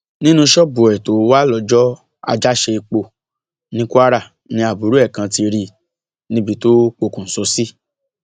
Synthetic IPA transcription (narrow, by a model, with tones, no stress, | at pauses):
nĩ˦nũ˧ʃɔ˦bo˨ɛ˨to˨˦wa˦lɔ˧˨d͡ʒɔ˦ | a̰˧d͡ʒa˦ʃe˧i˧k͡po˧˨ | nĩ˦ku˦a˦ɾa˦˨ | nĩ˧a˨bu˨˦ɾu˦ɛ˦˨kã˧ti˧ɾi˧ | nĩ˧˦bi˧to˦k͡po˧kũ˨n̩˨so˨˧si˦